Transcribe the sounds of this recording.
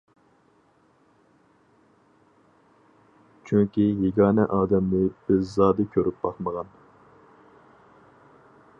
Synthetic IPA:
t͡ʃʰyŋkʲijeɡʲɑːnɛʔɑːd̪ɛmnɪb̥ɪzzɑːd̪ɨkʲʰøɾyp̚bɑχməʁɑn

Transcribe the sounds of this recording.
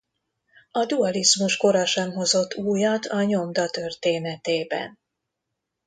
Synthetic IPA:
ɒd̪uɒlizmuʃko̞ɾɒʃɛmɦo̞zo̞t̪ːuːjɒt̪ʰɒɲo̞md̪ɒt̪ø̞rt̪eːnɛt̪eːbɛ̰n

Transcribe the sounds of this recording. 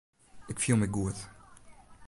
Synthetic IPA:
ɪkfilˠmiɡuθ

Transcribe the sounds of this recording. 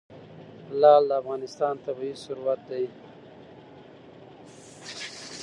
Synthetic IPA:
lɑːld̪əafɣɑnɪst̪ɑːnt̪abiisʊɾuwat̪̚d̪aj

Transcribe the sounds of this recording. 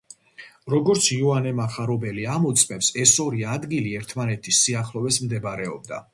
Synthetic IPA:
ɾɔɡɔɾt̪sʰjɔanɛmaχaɾɔbɛliamɔt̪sʼmɛpsɛsɔɾiad̪ɡiliɛɾt̪ʰmanɛt̪ʰisːiaχlˠɔvɛsmd̪ɛbɾɛɔ̰b̚d̪a̰

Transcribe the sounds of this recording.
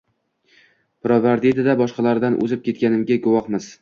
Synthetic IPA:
pɾɒvaɾd̪it̪ɪd̪abɒʃqɑlaɾd̪anʔɵ̰zɪp̚kʲʰe̞t̪̚kʲanɪmɡʲaɡʊwɒχmɪz̥

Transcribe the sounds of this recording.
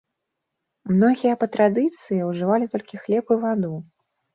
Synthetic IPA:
mnɔɣʲijɐpɐt̪ɾad̪ɨt̪sɨjiwʐɨvalʲit̪ɔlʲkʲixlʲɛpɨvad̪u

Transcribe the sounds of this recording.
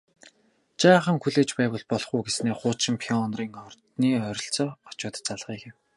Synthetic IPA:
t͡ɕaːχə̆ŋxuɮeːt͡ɕpæːwə̆ɮpɔɮχuːɡesneːχʊːt͡ɕɪ̆mpʰiɔnriːŋɔrt̪niːœɾʲɪ̆ɬt͡sɔːɔt͡ɕʊːt̪ə̥̆t͡saɮʁiːkɪ̆w

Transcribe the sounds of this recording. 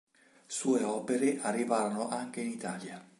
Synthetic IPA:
suːeɔːpeɾeʔarːivaːɾonoʔaŋk̟einit̪aːlja

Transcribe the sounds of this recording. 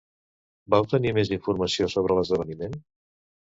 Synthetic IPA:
bawt̪ənimeziɱfuɾməsiosoβ̞ɾələzðəβənimen

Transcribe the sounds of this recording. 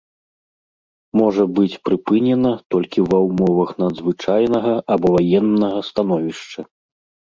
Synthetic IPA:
mɔʐɐbɨt͡sʲpɾɨpɨnʲɛnɐt̪ɔlʲkʲivɐwmɔvɐxnɐd̪zvɨt͡ʂajnɐɣɐabɔvajɛnːɐɣɐst̪anɔvʲiʂt͡ʂɐ

